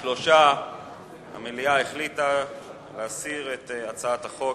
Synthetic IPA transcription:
lo̞ʃa | ha̰meliaeχlita | leasiʁetat͡saat̪haχo̞

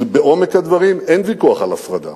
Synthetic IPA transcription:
beʔo̞me̞khad̪vaʁimenvikuaχalafʁad̪a̰

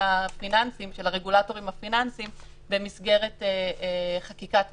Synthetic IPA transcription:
afinansimʃe̞laʁe̞ɡulato̞ʁimafinansim | bemisɡe̞ʁeteχakikat

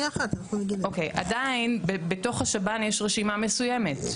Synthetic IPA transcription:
aχaaχomeɡilokejʔa̰dainbebeto̞χhaʃabanjeʃʁeʃimame̞sujeme̞t

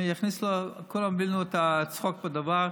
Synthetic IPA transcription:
jaχnislokʰolamvilnuɛtat͡sχɔk̚badavaʁ

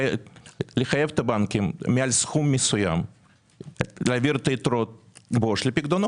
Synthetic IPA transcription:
lʲɪxajevt̪ɐbankʲɪmːʲɪalʲsxumːʲɪsʊja̰m | lavʲiɾt̪ɐit̪ɾot̪̚boʃlʲepʲiɡd̪ono

